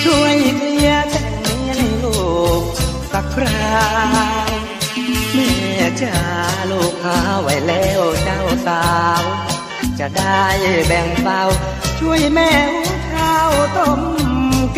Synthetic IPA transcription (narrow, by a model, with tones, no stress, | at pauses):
t͡ɕʰu˧˩əjkli˧ə˧sɛ˧˩ni˧˦a˧˩ŋlo˧˩k̚ka˧˩k̚ʰɾaː˧ | w | mi˧˩˨a˨˧˩k̚t͡ɕa˧˩loː˧˩kʰːaː˧˥wa˧˩jlɛː˧˩wt͡ɕa˧˩wsaː˨˧˩w | t͡ɕa˧˩ʔda˧˩jbɛ˨˩ŋsa˧˩w | t͡ɕʰu˧˩əjmɛː˧˩hu˧˥kʰaː˧˩˨wt̪o˧˩m˧˨